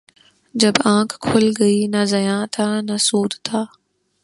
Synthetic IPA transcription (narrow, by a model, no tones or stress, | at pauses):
d͡ʑɐbãːkʰkʰːʊlɡɐinazɐjãːt̪ʰanɐsuːd̪t̪ʰaː